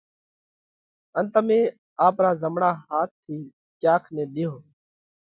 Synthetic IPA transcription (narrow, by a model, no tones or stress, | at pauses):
ənt̪əmẽː | aːpɾaːzəmɳaːɦaːt̪ʰːiː | t͡ʃjaːkʰnẽːɗɪjoː